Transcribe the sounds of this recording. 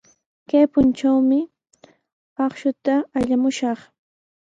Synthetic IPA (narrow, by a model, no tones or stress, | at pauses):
kajpʊnʈ͡ʂawmɪ | ɑχʃʊt̪aːʎamʊʃɑχ